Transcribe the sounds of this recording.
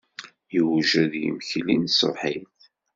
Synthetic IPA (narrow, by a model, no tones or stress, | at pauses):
jəwʒæðjə̰məçlinso̰ħiθ